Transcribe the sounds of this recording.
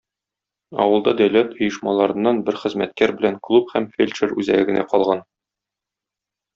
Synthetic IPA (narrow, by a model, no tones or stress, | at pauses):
ɒ̰wɤ̆lˠd̪ɑd̪æwlæt̪ŏjɤ̆ʃmɑlˠɑɾɤ̆nːɑnbɘɾχɘ̆zmæt̪̚kæɾbɘ̆læŋklˠuphæmfʲelʲʃɘɾʉzæ̰ɡɘ̆ɡɘ̆næqɒlˠʁɑn